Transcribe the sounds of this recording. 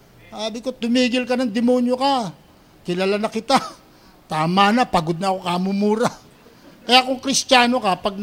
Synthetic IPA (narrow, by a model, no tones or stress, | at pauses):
saːbɪko̞t̪ʊmiːɡɪlkɐnɐŋd̪ɪmo̞ːnjo̞kɐ | kɪlalanɐkɪt̪a | t̪aːmanɐpɐɡod̪nɐʔɐko̞kamʊmuːɾɐ | kɐjaʔkʊŋkɾɪst͡ʃaːno̞kɐpɐɡ̚n